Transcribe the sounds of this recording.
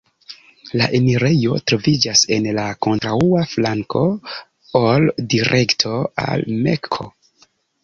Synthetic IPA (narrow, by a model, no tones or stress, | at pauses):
la̰ʔemiɾe̞jo̞̰tɾo̞vid͡ʒase̞nlako̞ntɾauaflaŋko̞ | oldiɾʔe̞ktʰo̞a̰lmḛkʰo̞̰